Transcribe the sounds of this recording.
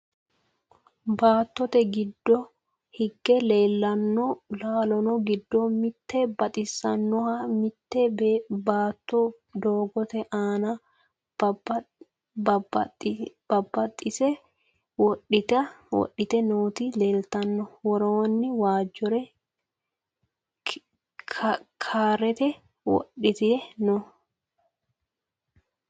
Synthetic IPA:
baːt̪ːɔt̪ɛɡɪd̪ːɔ | hɪɡːɛleːlːɐnːɔlaːlɔnɔɡɪd̪ːɔmɪt̪ːɛbɐt̪ʼɪsːɐnːɔhamɪt̪ːɛbeːbaːt̪ːɔ | d̪oːɡɔt̪ɛʔaːnɐ | bɐb | b̥ɐbːɐt̪ʼːɪsɛ | wɔɗːɪt̪ɐwɔ̰ɗɪt̪ɛnoːt̪ileːlt̪ɐnːɔwɔɾoːnːɪwaːd͡ʒɔɾɛ | kʰaːɾɛt̪ɛ | wɔ̰ɗɪt̪ɪɛnɔ

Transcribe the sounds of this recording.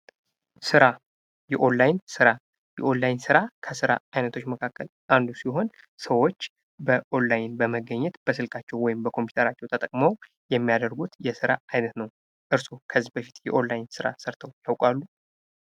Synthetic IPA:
sɨɾa | jɛʔo̞nlajnsɨɾa | jɛʔo̞nlajnsɨɾakʰəsɨɾa̰ajnət̪ʰo̞t͡ʃːməkʰakːəlʔand̪usiɦo̞n | səwo̞t͡ʃː | bəʔo̞nlajɪnbəməɡːəɲːɛt̪b̥əsɨlkʼat͡ʃːɛwːɔjɪmbəkʰo̞mpʰju̥t̪ʰəɾat͡ʃːɛwt̪ʰət̪ʼəkʼməw | jɛmːijad̪əɾɡut̪jɛsɨɾaajnət̪nəw | ʔɨɾsokʰəzːibəfit̪jɛ̰ʔo̞nlajnsɨɾa̰səɾt̪ʰəwjawkʼalːu

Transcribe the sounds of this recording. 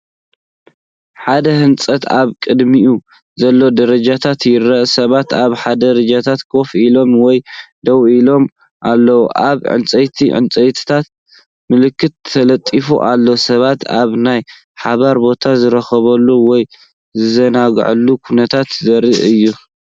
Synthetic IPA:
ħad̪ɐhɨnt͡sʼɐt̪aβkʼɨd̪miu | zɐlːo̞d̪ɐɾɐd͡ʒat̪ʰat̪jɪrɐʔsɐβat̪aβħad̪ɐɾɐd͡ʒat̪ʰat̪kʰo̞filo̞mwɔjd̪ɐwilo̞m | ʔalːɐwuʔaβʕɨ̰nt͡sʼɐjt̪ʰiʕɨ̰nt͡sʼɐjt̪ʰi̥t̪ʰat̪̚ | mɨlɨkʰːɨt̪ʰːɐlɐt̪ʼːifuʔalːosɐβat̪aβnaj | ħaβaɾbo̞t̪ʰazɨɾɐxɐβɐlːuwɔj | zɨzɐnaɡ̰ʕɨlːukʰunɐt̪ʰat̪zɐɾḭʔɨjːu

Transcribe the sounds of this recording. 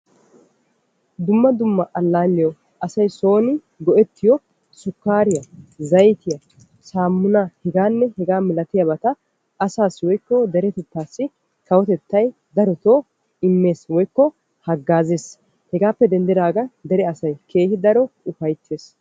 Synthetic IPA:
d̪ʊmːɐd̪ʊmːɐʔɐlːaːlːɪjɔ | ʔɐsɐjso̞ːnɪ | ɡɔʔɛt̪ːɪjɔ | sʊkːaːɾɪjɐzɐjt̪ɪjɐ | saːmːʊnahɛɡaːnːɛhɛɡaːmɪlɐt̪ɪjɐbɐt̪ɐː | saːsːwɔjkːɔd̪ɛɾɛt̪ɛt̪ːaːsːɪ | kɐwɔt̪ɛt̪ːɐj | d̪ɐɾɔt̪oː | ɪmːe̞ːswɔjkːɔ | hɐɡːaːzeːs | hɛɡaːpːɛd̪ɛnd̪ɪɾaːɡɐd̪ɛɾɛɐsɐjkʰe̞ːhɪd̪ɐɾɔʊfɐjt̪ʰːe̞ːs

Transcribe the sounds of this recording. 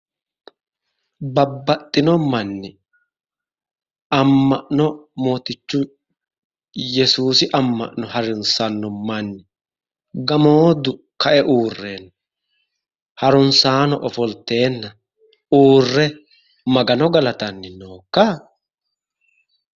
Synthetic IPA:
bɐbːɐt̪ʼːɪnɔmɐnːɪ | ɐmːɐʔnɔmo̞ːt̪ɪt͡ʃːʊ | jɛsuːsɪʔɐmːɐ̰ʔnɔhɐɾɪnsɐnːɔmɐnːɪ | ɡɐmoːd̪ʊ | kɐʔɛʔuːrːe̞ːnː | hɐɾʊnsaːnɔʔɔfɔlt̪ːe̞ːnːɐ | uːrːɛ | mɐɡɐnɔɡɐlɐt̪ɐnːɪno̞ːkːa

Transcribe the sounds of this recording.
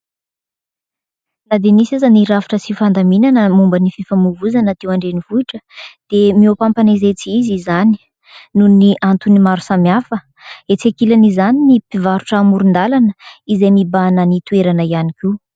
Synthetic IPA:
nad̪enisazaniɾavi̥ʈ͡ʂəsifand̪aminanəmumbənififamuvuzanət̪ewaɳɖ͡ʐenivuiʈ͡ʂəd̪̥emiopampanezet͡siizizani̥ | nuniʔant̪unimaɾusamjafə | et͡sekilanizaninipivaɾuʈ͡ʂəaːmuɾund̪alanəizejmibanənit̪ueɾanəianikʲi

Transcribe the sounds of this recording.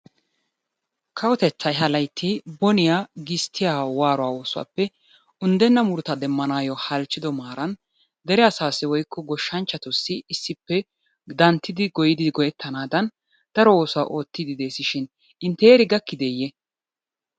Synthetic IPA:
kʰɐwɔt̪ɛt͡sːɐjɦɐlɐjt̪ʰːɪbɔnɪjaːɡɪst̪ʰːɪjaːwaːɾɔwaːo̞ːsʊwa̰ːpːɛ | ʊnd̪ɛnːɐmʊɾʊt̪ɐd̪ɛmːɐnaːjɔhɐlt͡ʃːɪd̪ɔmaːɾɐn | d̪ɛɾɛɐsaːsɪwɔjkːɔɡɔʃːɐnt͡ʃːɐt̪ʊsːɪːsːɪpːɛ | d̪ɐnt̪ːɪd̪ɪɡɔjɪd̪ɪɡɔjɛt̪ʰːɐnaːd̪ɐn | d̪̥ɐɾɔo̞ːsʊwa̰ːʔo̞ːt̪ːɪd̪ɪd̪eːsɪʃɪn | ɪnt̪ːeːɾɪɡɐkːɪd̪ɛjːɛ

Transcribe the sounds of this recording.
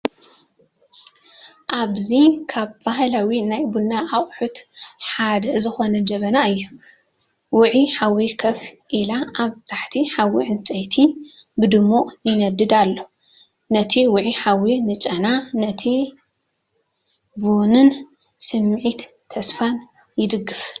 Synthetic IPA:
ʔaβzikʰaβbahlawinajbulnaʔːχʼħut̪ħad̪ɐzɨxo̞nɐd͡ʒɐβɐnaɨjːu | wʊʕiħawikʰɐfʔilaʔaβt̪ʰaħt̪ʰiħawiʕnt͡sʼɐjt̪ʰibɨd̪ɨmːuʔjɪnɐd̪ɨd̪alːo | nɐt̪ʰiwʊʕiħawinɨt͡ʃʼɐnanɐt̪ʰi | bunɨn | sɨmːʕit̪ʰː | ɐsfan | jɪd̪ɨɡːɨf

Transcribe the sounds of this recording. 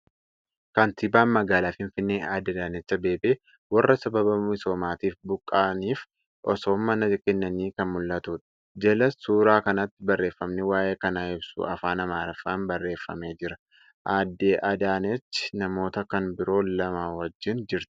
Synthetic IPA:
kɐnt̪ɪbaːnmɐɡaːlaːfɪnfɪnːeːʔaːd̪ːed̪aːnɛt͡ʃːɐbe̞ːbeː | wɐrːɐsɐbɐbɐmɪso̞ːmaːt̪iːfbʊkʼːaːniːf | ʔɔsoːmːɐnɐkɛnːɐniːkɐnmʊlːɐt̪ʊᶑɐ̥ | d͡ʒɛlɐsuːɾaːkɐnɐt̪ːɪbɐrːe̞ːfːɐmnɪwaːʔeːkɐnaːɪbsʊ̰ɐfaːnɐmaːɾɐfaːnbɐrːe̞ːfːɐ̰meːd͡ʒɪɾɐ | ʔaːd̪ːeːʔɐd̪aːnɛt͡ʃːɪ̥nɐmo̞ːt̪ɐkɐnbɪɾo̞ːlɐmaːwɐd͡ʒːɪnd͡ʒɪɾt̪ɪ̥

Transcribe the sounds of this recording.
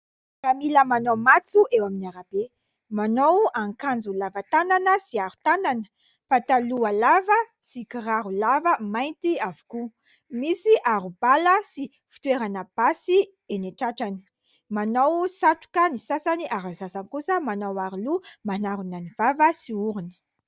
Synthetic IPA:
ramiləmanowmat͡suʔewaminiaɾab̥e | manowaŋkand͡zulavat̪ananəsiaɾu̥t̪ananə̥ | fat̪alualavə | sikiɾaɾulavəmajnt̪iavu̥ku | misiʔaɾub̥aləsi | fi̥t̪weɾanəb̥asi | eneʈ͡ʂaʈ͡ʂani̥ | manawsaʈ͡ʂu̥kənisasaniaɾazasankusəmanawaɾulumanaɾunanivavəsiuɾuni̥

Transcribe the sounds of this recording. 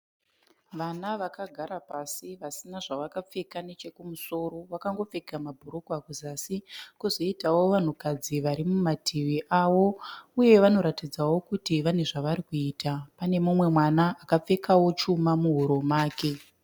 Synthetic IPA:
ʋanaʋakaɡʱaɾapasiʋasinaʐaʋakap͡fe̞kane̞t͡ʃe̞kumuso̞ɾo̞ʋakaŋɡo̞p͡fe̞ɡʱamabʱuɾokwakuzasikuzo̞itawo̞ʋan̤ukad͡ziʋaɾimumatʰiʋiʔawo̞uje̞ʋano̞ɾatid͡zawo̞kutiʋane̞ʐaʋaɾikuiːtapane̞mumwe̞mwanaːkap͡fe̞kawo̞t͡ʃumamuɦuɾo̞maːke̞

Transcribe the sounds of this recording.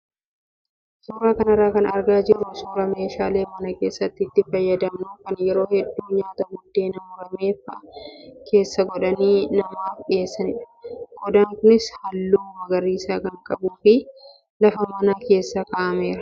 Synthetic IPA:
suːɾaːkɐnɐrːaːkɐnɐ̰ɾɡaːd͡ʒɪɾʊsuːɾɐme̞ːʃaːle̞ːmɐnɐke̞ːsːɐt̪ːɪːt̪ːɪfɐjːɐd̪ɐmnukɐnjɛɾo̞ːhɛd̪ːuːɲaːt̪ɐɡʊd̪ːe̞ːnɐmʊɾɐme̞ːfɐkʰe̞ːsːɐɡɔᶑɐniːnɐmaːfɗɪeːsːɐnɪᶑɐ̥ | ɡ̥ɔd̪aːŋkʊnɪshɐlːuːbɐɡɐɾiːsaːkɐŋkʼɐbuːfɪ | lɐfɐmɐnaːke̞ːsːakaːʔɐme̞ːɾɐ̥

